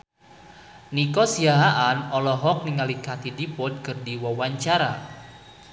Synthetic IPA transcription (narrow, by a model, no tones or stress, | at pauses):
nikɔsiaɦaʔanɔlɔɦɔk̚niŋalikat̪idipɔd̪̚kɨrdiwawaɲt͡ʃaɾa